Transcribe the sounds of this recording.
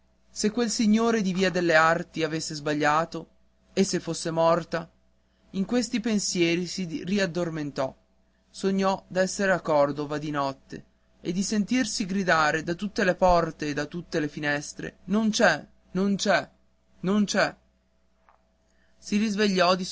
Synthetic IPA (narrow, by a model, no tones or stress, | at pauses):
sekːwelsiɲːoːɾed̪iviːad̪elːeart̪iavesːezbaʎːaːt̪o | esːefːosːemɔrt̪a | iŋkwest̪ipensjɛːɾisiriad̪ːorment̪ɔ | soɲːɔd̪ɛsːeɾeakːɔrd̪ovad̪inɔt̪ːḛ | ed̪ːisent̪irsiɡɾid̪aːɾed̪at̪ːut̪ːelepɔrt̪eːd̪ːat̪ːut̪ːelefinɛst̪ɾḛnont͡ʃɛ | nont͡ʃɛ | nont͡ʃɛ | sirizveʎːɔd̪i